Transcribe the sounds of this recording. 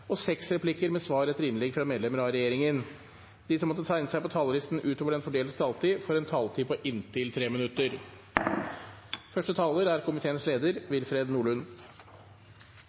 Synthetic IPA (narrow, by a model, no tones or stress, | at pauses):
ɔsɛksɾɛpʰlɪkəɾmɛsʋɑːɾɛt̪ːəɾɪnlɛɡfɾɑmeːd̪lɛməɾɑɾɛjeːɾɪŋən | d̪̥isɔmːɔt̪ːət̪ʰɑɪnəsæɪpɔt̪ʰɑːləlɪst̪n̩ʔʉːt̪oːʋəɖɛnfɔɖeːlt̪t̪ʰɑːlt̪ʰiːfɔɾɛnt̪ʰɑːlt̪ʰiːpʰɔʔɪnt̪ʰɪlt̪ʰɾeːmɪnʉt̪ːəɾ | fœʂʈət̪ʰɑːləɾæɾkʰʊmɪt̪ʰeːənəsleːd̪əɾʋɪlfɾeːd̪nuːɭʉn